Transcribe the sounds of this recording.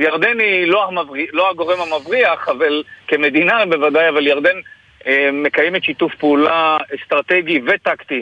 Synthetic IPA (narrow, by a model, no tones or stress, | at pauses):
jaʁd̪eniloamavʁilo̞haɡo̞ʁemamavʁiaχavalkeme̞d̪inabe̞vad̪ajavaljaʁd̪en | me̞kajemet̪ʃitufpeulaest̪ʁat̪eɡivet̪akt̪i